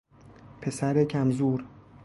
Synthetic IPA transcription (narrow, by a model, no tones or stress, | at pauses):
pʰe̞sæɾecʰæmzuːɾ